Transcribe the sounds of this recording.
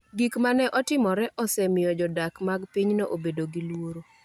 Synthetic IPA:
ɡikmanɛʔɔtɪmɔɾɛʔɔsɛmɪjɔd͡ʒɔdakmaɡpiɲnoʔobedoɡilwoɾo

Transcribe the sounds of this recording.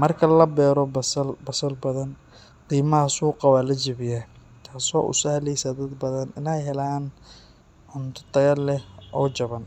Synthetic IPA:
mɐrkʰɐlɐbɛːɾɔbɐsɐlbɐsɐlbɐðɐn | qiːmɐɦɐsuːqɑwaːlɐd͡ʒɪβɪja | t̪ʰaːsɔ̰ːʔʊ̰sɐhɐlɛjsaːd̪ɐd̪bɐðɐnɪnɛjɦɛlaːn | ʕʊnt̪ʰʊ̥t̪ʰɐɣɐlːɛʔɔːt͡ʃɐβɐn

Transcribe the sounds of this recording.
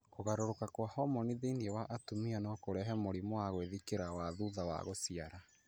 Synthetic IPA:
koɣaɾoɾokakwahɔmɔniðeiniewaʔatomianɔkoɾɛɦɛmoɾimowaɣoeðikeɾawaðuðawa̰ɣosiaɾa

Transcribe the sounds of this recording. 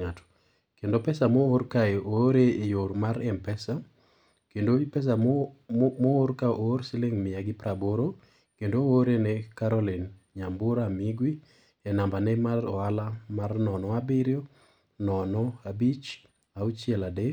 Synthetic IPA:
ŋatɔ̥ | kendopɛsamooɾkaeoɾeejoɾmaɾɛmpɛsa | kendopɛs̬a | moːɾkaʔoɾsileŋmɪjaɡɪpɾaboɾo | kendooɾenɛkaɾɔlin | ɲambʊɾamiɡwi | ɛnambanɛmarɔalamarnɔnɔabɪɾjo | nɔnɔabit͡ʃ | aut͡ʃɪɛladɛ

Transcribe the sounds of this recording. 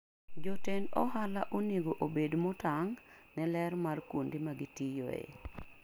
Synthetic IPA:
d͡ʒotendɔhalaʔoneɡoʔobedmotaŋ | nɛlɛɾmarkwondɪmaɡɪtijo̰ḛ

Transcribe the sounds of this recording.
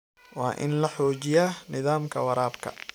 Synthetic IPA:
wɑːʔɪ̰nlɐħɔːt͡ʃɪjaːnɪðaːmkʰɐwɐɾaːbkʰɐ̰

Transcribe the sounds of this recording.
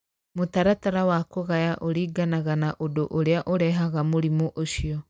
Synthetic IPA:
motaɾataɾawakoɣajaʔoɾiːɡanaɣanaʔodoʔoɾeaʔoɾɛɦaɣamoɾimoʔoʃiɔ

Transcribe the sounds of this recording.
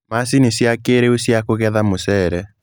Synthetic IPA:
masinisjakeɾeusjakoɣɛðamosɛɾɛ

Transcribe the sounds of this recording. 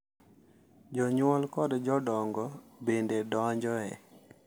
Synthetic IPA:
d͡ʒɔɲwɔlkɔdd͡ʒɔdɔŋɡɔbendedɔɲd͡ʒɔɛ̰

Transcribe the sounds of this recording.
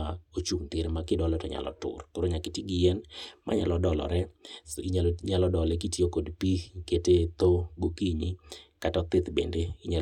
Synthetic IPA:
aot͡ʃuŋt̪ɪɾmakɪdɔlɔtɔɲa̰lɔ̰tʊ̰rkoɾoɲakɪtiɡɪjɛnmʔa̰ɲa̰lɔdɔlɔ̰ɾɛiɲɲalɔdɔlɛk̬itiokodpiketet̪oɡokiɲikatɔt̪ɪt̪bḛndeɪɲa

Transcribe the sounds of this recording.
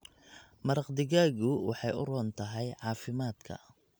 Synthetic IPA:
mɐɾɑqd̪ɪɣaːɣʊwɑ̰ħɑjʊ̰rɔːnt̪ʰɐɦɛjʕɑːfɪmaːd̪kʰɐ̰

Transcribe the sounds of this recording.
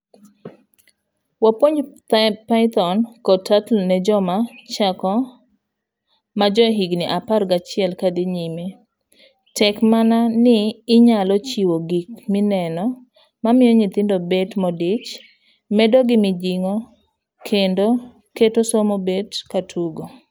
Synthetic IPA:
wapoɲtpaɪt̪ɔnkɔtatlnɛd͡ʒɔmat͡ʃakɔ | mad͡ʒɔɦiɡnɪʔaparɡat͡ʃɪɛlkadeɲime | tɛkmananɪːɲalɔt͡ʃiwoɡikmɪnɛnɔ | mamɪjɔɲit̪ɪndobetmɔdɪt͡ʃ | mɛdoɡɪmɪd͡ʒiŋo | kʰendo | ketosomobedkatʰuɡo

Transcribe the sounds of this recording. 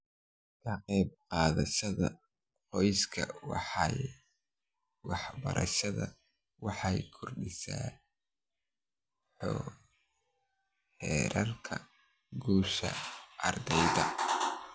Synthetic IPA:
kʰɐqɛjb̚qɑːðɐʃɐðɐ | qɔjskʰɐwɑħɑ | wɑħbɐ̰ɾʔɐ̰ʃɐðɐ | wɑħɑjkʰʊrɖɪsaː | ħɔ | hɛːɾʔɐlkʰɐ | ɡuːʃɐ̰ʔɐrd̪ɛjdɐ

